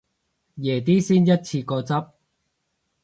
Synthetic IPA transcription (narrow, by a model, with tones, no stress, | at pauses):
jɛː˨˩t̪̬iː˥siː˥njɐ˥t̚t͡sʰiː˧kɔː˧t͡sɐ˥p̚